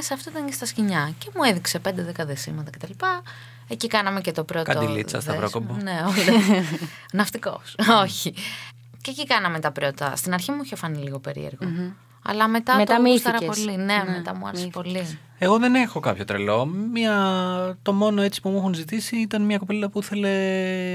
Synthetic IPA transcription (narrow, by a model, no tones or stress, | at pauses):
esɐft̪o̞it̪ɐncest̪ɐsciɲɐce̞mueðikse̞pe̞nd̪eðekɐðesḭmɐt̪ɐce̞t̪ɐlipɐ | ecikɐnɐme̞cet̪o̞pɾotkɐ̰od̪ḭlḭt͡sɐ̰sðɐpɾokobɐneol | nɐft̪iko̞̰soçi | cecikɐnɐmet̪ɐpɾo̞t̪ɐ̰st̪inɐɾçimuoçofɐniliɣo̞pe̞ɾḭeɾɣo | ɐ̰lɐme̞t̪ɐt̪omisɐɾɐpolinemet̪ɐmuɐ̰ɾesepo̞li | e̞ɣo̞ðe̞ne̞xo̞kɐpço̞t̪ɾḛlo̞miɐt̪o̞mo̞noe̞t͡si̥pumuxunzit̪isiit̪ɐnmɲɐkopelɐpuiθe̞le̞